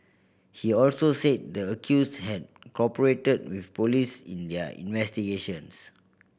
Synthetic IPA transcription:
hiɔlsoset̚dəəkʰjushɛd̚kɔpəɹetəd̚wifpolisḭ̃ndəḭ̃nvɛstiɡeʃə̃ns

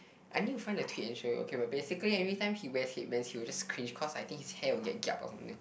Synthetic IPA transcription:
ʔaɪnijufãɪ̃ndətʰwitɛ̃nʃoʔo̰kʰebat̚besikəliɛvɹitãɪ̃mhiwɛset̚mɛ̃nshiwɪld͡ʒaskʰɹĩnd͡ʒkʰɔsajt̪ɪ̃ŋkhishɛwiɡɛ̰t̚ɡɛ̰pɔ̰sãmnt̪ĩŋ

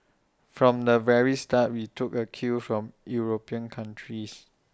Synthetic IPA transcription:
fɹɔ̃mdəvɛɹistat̚witʰʊkəkʰufɹɔ̃mjuɹopiə̃nkʰãntʰɹis

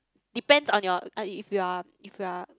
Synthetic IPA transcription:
d̥ipɛ̃ndsɔ̃njɔaifjua | ifjua

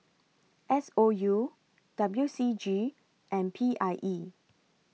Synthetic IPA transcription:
ʔɛsoju | d̥abljusid͡ʒi | ʔɛ̃npʰiʔajʔi

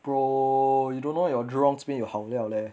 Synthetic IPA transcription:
pɹojudõnːojɔdɹɔ̃ŋsbĩjɔhawliawlɛ

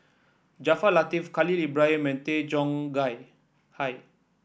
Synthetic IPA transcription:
d͡ʒafalat̪ifkalilibɹajə̃mɛ̃nt̪ed͡ʒɔ̃ŋɡaj | haj

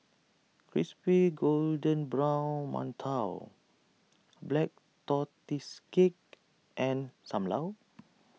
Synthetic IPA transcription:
kʰɹispiɡoldə̃nbɹãw̃nmã̰ntʰaw | blɛk̚ | t̪ɔt̪iskek̚ | ʔɛ̃nsãmla̰w

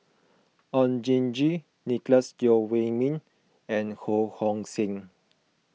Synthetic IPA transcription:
ɔ̃nd͡ʒĩnd͡ʒi | nikləsdɔwemĩn | ɛ̃nhohɔ̃ŋsĩŋ

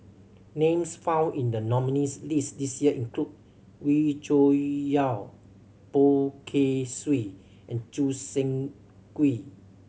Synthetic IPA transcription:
nẽmsfãw̃nĩndənɔminislisdisjiəʔĩnklut̚ | wit͡ʃojal | pokʰeswi | ʔɛ̃nt͡ʃusɛ̃ŋ | kwi

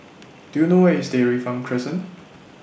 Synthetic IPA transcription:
d̥ujunowɛisdeɹifɹãŋpʰɹɪsə̃n

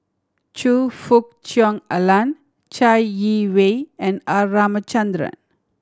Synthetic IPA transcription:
t͡ʃufuk̚t͡ʃjɔŋəlan | t͡ʃajjiʋeɛ̃naːaːmət͡ʃɐ̃nd̪ɾə̰n

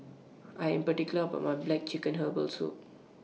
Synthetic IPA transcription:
ʔajɛ̃mpətikjuləəba̰t̚majblɛk̚t͡ʃikə̃nɦəbəlsṵt̚

